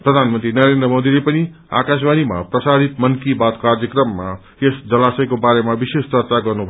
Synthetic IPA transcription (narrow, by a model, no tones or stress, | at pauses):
prʌd̪ʱanmʌnt̪rinʌɾend̪rʌmod̪ilepʌni | a̰kas̬banima̰prʌsaɾit̪mʌnkibat̪kard͡zjʌkrʌmːa | esd͡zʌlasʌjkobaɾemabisest͡sʌrt͡saɡʌrnubʱʌ